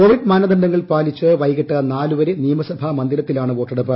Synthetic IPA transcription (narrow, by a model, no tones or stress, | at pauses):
koːʋiɖmaːnːɐd̪ɐnɖɐŋːɐɭpaːlit͡ɕːɨʋɐjɣɐʈːɨnaːluʋɐɾenijɐmɐsɐbʱɐmɐnd̪ilɐt̪ːilaːɳɨʋo̞ːʈːɐɽɐpːɨ